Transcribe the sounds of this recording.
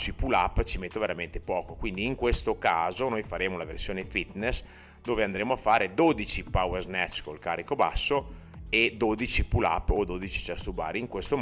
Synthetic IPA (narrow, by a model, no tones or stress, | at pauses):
sipulapːt͡ʃimet̪ːoveɾament̪e̥pɔːkokwind̪iːŋkwest̪okaːzonojfaɾeːmolaversjoːnefit̪nes | d̪oːveand̪ɾeːmoafːaːɾed̪oːd̪it͡ʃipawerznɛt͡ʃːkolkaːrːikobasːo | ed̪oːd̪it͡ʃipula̰pːod̪oːd̪it͡ʃi̥t͡ʃast̪uba̰ːɾiiŋkwest̪o